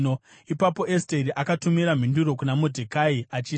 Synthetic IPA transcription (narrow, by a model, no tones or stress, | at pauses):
no | ipapo̞ʔesteɾiʔakatumiɾam̤induɾo̞kunamodʱekaiat͡ʃiː